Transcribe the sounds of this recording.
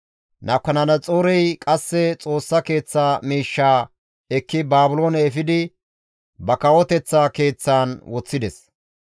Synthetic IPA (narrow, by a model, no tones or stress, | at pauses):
nɐkːɐnɐnɐt͡sʼoːɾɛjkʼɐsːɛt͡sʼo̞ːsːɐke̞ːt͡sːaːmiːʃːaː | ɛkːɪbaːbʊlo̞ːnɛɛfɪd̪ɪ | bɐkɐwɔt̪ɛt͡sːaːke̞ːt͡sːaːnwɔt͡sːɪd̪ɛs